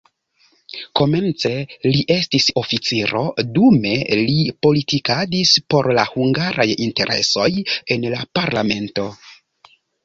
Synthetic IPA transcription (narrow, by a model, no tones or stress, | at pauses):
ko̞me̞nt͡se̞liʔe̞stiso̞fit͡siɾo̞̰dume̞lipo̞litikadispo̞ɾlahuŋɡaɾʔajinte̞ɾʔḛso̞je̞nlapaɾlame̞nto̞